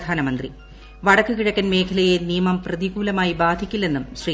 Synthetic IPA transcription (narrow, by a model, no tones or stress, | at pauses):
d̪ʱaːnɐmɐnd̪rḭ | ʋɐɽɐkːɨkiɻɐkːɐnme̞ːkʰɐlɐjenijɐmɐmprɐðiɡuːlɐmaːjibaːd̪ʱikʲːulːe̞nːumɕriː